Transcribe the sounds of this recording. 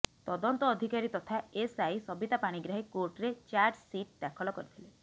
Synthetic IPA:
t̪ɔd̪ɔnt̪ɔːd̪ʱikaɾit̪ɔt̪ʰaesajsɔbit̪apaɽ̃iɡɾaɦekoɾʈɾet͡ʃaɾɖsiʈ̚d̪akʰɔlɔkɔɾit̪ʰile

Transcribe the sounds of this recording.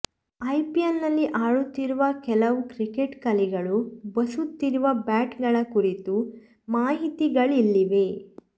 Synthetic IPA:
ɐjpijɐnːɐlːiʔaːɭut̪ːiɾuʋɐkɛlɐʋukɾikeʈkɐliɡɐɭubɐsut̪ːiɾuʋɐbaːʈɡɐɭɐkuɾit̪u | maːɦit̪iɡɐɭilːiʋe̞

